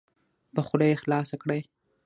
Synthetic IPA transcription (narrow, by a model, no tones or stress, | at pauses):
pəxʊd̪ajexlɑsakɽaj